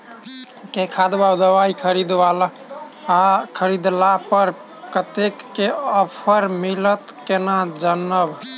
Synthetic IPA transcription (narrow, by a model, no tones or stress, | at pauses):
kekʰad̪bad̪əwaikʰəɾid̪wal | akʰəɾid̪lapəɾ | kət̪ekːeəpʰəɾmilət̪kenad͡ʒənːəb